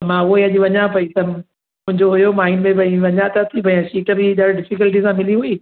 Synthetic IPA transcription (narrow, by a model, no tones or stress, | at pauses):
mãʊɦoiɐd͡ʑiʋɐɲapɐit̪ɐ | mʊ̃ɦɪ̃ɲd͡ʑoɦʊjomaːinmẽbɐĩʋɐɲat̪at̪ʰibɐĩãsiːʈəbɪɗaɽɖɪfɪkəlʈ̬isãmɪliɦʊiː